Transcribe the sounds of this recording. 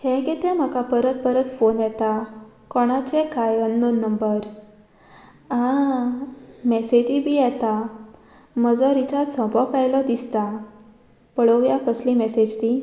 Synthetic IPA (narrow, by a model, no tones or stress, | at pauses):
hɛ̃ɡet̪ɛ̃m̤akapəɾət̪̚pəɾət̪fonjɛt̪a | kɔɽ̃at͡ɕɛkajənːonːəmbəɾ | a | mɛsed͡ʑibʱijɛt̪a | məd͡zɔɾit͡ɕasɔ̃bʱɔkajlɔd̪ist̪a | pəɭəʋjakəslimɛsed͡ʑt̪i